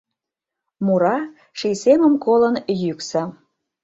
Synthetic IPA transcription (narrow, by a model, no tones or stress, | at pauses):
muɾɑ | ʃijseməmkolənjyksə̆